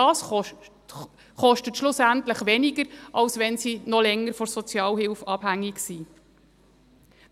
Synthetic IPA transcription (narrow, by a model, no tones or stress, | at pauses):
ɑs | χɔʃtətʃlʊsænt̪ləχʋɛniɡəɾʔɑlsʋɛnsinɔlɛŋːəɾfɔsɔt͡sjɑːlɦɪlfɑb̥hæŋːiksiː